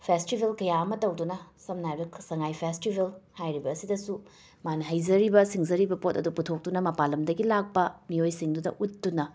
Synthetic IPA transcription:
pʰestibʱelkɐjaɐmɐtɐwdunɐsɐmnajbɐksɐŋajpʰestibʱelhajɾibɐːsidɐsu | manɐɦɐjzɐɾibɐsiŋzɐɾibɐpotɐduputʰok̚tunɐmɐpalɐmdɐɡilak̚pɐmiojsiŋdudɐ̰ʔutːunɐ

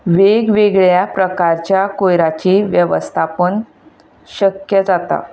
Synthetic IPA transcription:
ʋeɡʋeɡɭjapɾəkaɾt͡ɕjakojɾat͡ɕiːʋjəʋəst̪ʰapən | ɕəkjəd͡zat̪a̰

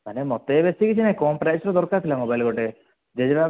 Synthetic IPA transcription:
manemɔt̪ebesikit͡ʃʰinakoːmpɾajsɾɔd̪ɔɾkat̪ʰilamɔbajlɡɔʈe | d͡ʒed͡ʒɾa

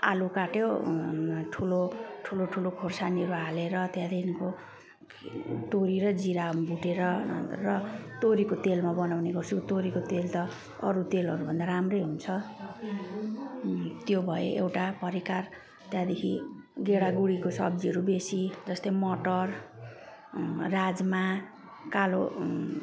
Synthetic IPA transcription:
a̰lukaʈjo | ʈʰuloʈʰuloʈʰulokʰorsaniʌɾualeɾʌt̪jãd̪ekʰinko | t̪oɾiɾʌd͡ziɾabuʈeɾʌrʌt̪oɾikot̪elmabʌnawneɡʌrt͡sʰukot̪oɾikot̪elt̪ʌ | ʌɾut̪elʌɾubʱʌnd̪aɾamrʌjɦunt͡sʰʌ | t̪jobʱʌḛʔewʈapʌɾikar | t̪jãd̪ekʰḭ | ɡeɽaɡuɽikosʌ̰bd͡ziɦʌɾubesid͡zʌst̪ʌjmʌʈʌr | rad͡zma | kalo̰

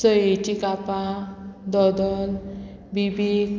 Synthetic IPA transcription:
sɔet͡ɕikapad̪ɔd̪ɔlbibi

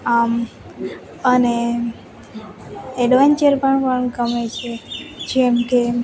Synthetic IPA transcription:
am | əne | ɛɖʋaɲt͡ʃəɾpəɳpəɳɡəmet͡ʃʰed͡ʒɛmke

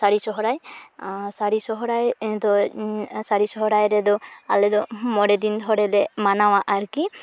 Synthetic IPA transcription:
saɾisɔɦɔɾaj | saɾisɔɦɔɾajd̪ɔsaɾisɔɦɔɾajɾɛd̪ɔalɛd̪ɔmɔɾɛd̪int̪ʰɔɾɛlɛmanawaʔaɾki

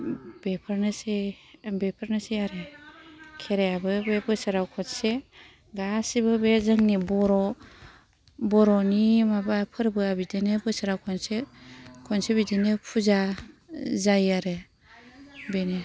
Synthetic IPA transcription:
bepʰɯɾnɯsebepʰɯɾnɯseaɾe | kʰeɾejabɯbebɯsaɾawkʰɔnse | ɡasibɯbezɯŋnibɔɾɔ | bɔɾɔnimabapʰɯɾbɯabidinɯbɯsaɾawkʰɔnsekʰɔnsebidinɯpʰuza | zajaɾe | bene

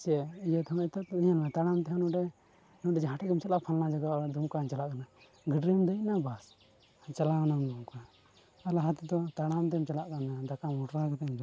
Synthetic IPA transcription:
sɛijɛt̪ʰɔmɛt̪aiɲanmɛt̪aɽamt̪ɛɦɛnɔɖɛ | nɔɖɛd͡ʒaɦãʈɛɛmt͡ʃalaʔpʰalnad͡ʒaɡawad̪umkant͡ʃalaʔkana | ɡəɖɾəmd̪ənabas | t͡ʃalanamd̪umka | alaɦat̪ɛd̪ɔt̪aɽamt̪̬ɛmt͡ʃalaʔkanad̪akamɔʈɾakɛt̪ɛmd͡ʒɔ

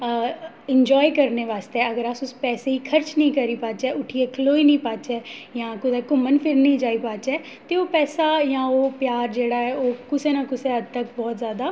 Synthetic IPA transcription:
ɪɲd͡ʒɔːikəɾneːʋaːst̪eɛəɡəɾasʊspɛːseiːkʰəɾt͡ʃnĩːkəɾiːpaːt͡ʃɛːʔʊʈʰieːkʰəloːiːnĩːpaːt͡ʃɛːjãːkʊd̪ɛːkʊmənpʰɪɾnĩːd͡ʒaːiːpaːt͡ʃɛː | t̪eoːpɛːsaːjãːoːpjaːɾd͡ʒeːɽaːɛːoːkʊseːnãːkʊseəd̪̚t̪ək̚bɔːt̪zjaːd̪aː

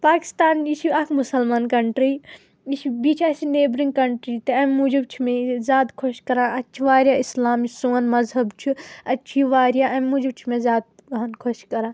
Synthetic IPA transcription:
paːki̥st̪aːniʃʰiɐkʰmusɐlmaːnkɐɳʈɾi | iʃibit͡ʃʰɐsineːbɾiŋɡkɐɳʈɾit̪ɐɐmːud͡ʒibt͡ʃʰimẽzʲjaːd̪kʰoʃkɐɾãːʔɐtːt͡ʃʰiʋaːɾjaːislaːmisoːnmɐzɦɐbt͡ʃʰiɐtːt͡ʃʰiʋaːɾjaɐmːud͡ʒibt͡ʃʰimẽzjaːd̪̚ | ɦɐnkʰoʃkɐɾãː

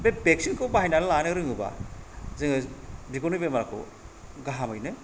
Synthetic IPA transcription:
bebek̚siŋkʰɯwbaɦajnanɯlanɯɾɯŋɯba̰zɯŋɯbiɡonubemaɾakʰo̰ | ɡaɦamɯjnɯ

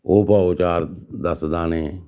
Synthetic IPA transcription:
oːpaːoːt͡ʃaːɾd̪əsd̪aːneː

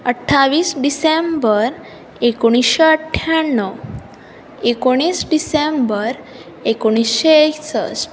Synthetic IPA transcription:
əʈʰːaʋiːsɖisembəɾ | ekoɽ̃isɕeəʈʰjaɳːə | ekoɽ̃iːsɖisembəɾ | ekoɽ̃isɕeeksə̰s

